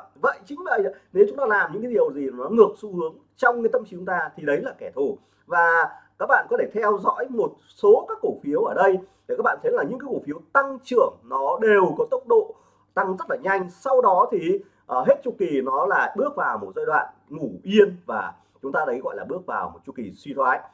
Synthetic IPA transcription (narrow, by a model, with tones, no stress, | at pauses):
və̰˧˨jt͡ɕï˨˦ŋ̟və̰˧˨jne˨˦wt͡ɕʊ˨˦ŋ͡mt̪aː˧laː˨˩mɲɨ̰˧˥ŋkːa˨˦ɗi˨˩əwzi˨˩nɔ˨˦ŋɨ˨˩ək̚su˧hɨ˨˦əŋ | t͡ɕɔ˧wŋ͡mɲɨ˧˦t̪ə˧mt͡ɕi˨˧t͡ɕʊ˨˦ŋ͡mt̪aː˧t̪ʰi˨˩ɗə˨˦jlaː˨˩kɛ˧˩t̪ʰo˧˩ | vaː˨˩kaː˦˥k̚ɓa̰ː˧˨nkɔ˨˦t̪e˧˩t̪ʰɛ˧wzɔ̰˧˥jmo˨˩t̚ | so˨˦kaː˦˥kːo˧˩fi˨˦əwʔəː˧˩ɗə˧jɗe˨˩kaː˦˥k̚ɓa̰ː˧˨t̪ʰlaː˨˩ɲɨ̰˧˥ŋkaː˨˦jko˧˩fi˨˦əwt̪a˧ŋt͡ɕɨ˧˩əŋnɔ˨˦ɗe˨˩wkɔ˨˦t̪ə˦˥wk͡p̚ɗo̰˧˨ | t̪a˧ŋzə˦˥t̚laː˨˩ɲa˧jŋ̟sa˧wɗɔ˨˦t̪ʰi˨˩ | ʔəː˧˩ɦe˦˥t̚t͡ɕu˧˩ki˨˩nɔ˨˦laː˨˩ɓɨ˦˥ək̚vaː˨˩wmo˨˩t̚zəː˧jɗwa̰ː˧˨n | ŋu˧˩ʔi˧ənvaː˨˩ | t͡ɕʊ˨˦ŋ͡mt̪aː˧ə˨˦jɣɔ̰˧˨jlaː˨˩ɓɨ˦˥ək̚vaː˨˩wmo˨˩t̚t͡ɕu˧˩ki˨˩swi˧t̪ʰwaː˨˦j